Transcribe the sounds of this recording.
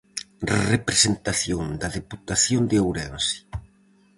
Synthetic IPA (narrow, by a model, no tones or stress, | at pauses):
repɾesent̪aθjoŋd̪ɐðeput̪aθjond̪eewɾɛnsi̥